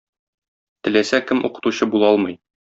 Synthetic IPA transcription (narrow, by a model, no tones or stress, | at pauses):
t̪ɘ̆læsækɘmʔṵqɤ̥̆t̪uɕɤbulˠɒlˠmɤ̆j